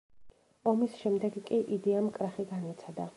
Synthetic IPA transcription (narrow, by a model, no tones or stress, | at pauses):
ɔmisʃɛmd̪ɛɡkʼiʔid̪iamkʼɾaχiɡanit̪sʰad̪a